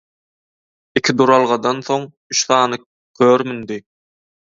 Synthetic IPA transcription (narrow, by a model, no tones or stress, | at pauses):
ikʰʲid̪uɾɑlˠʁɑd̪ɑnθo̞ŋ | yt͡ʃθɑːnɯ | kʲʰøːɾmynd̪i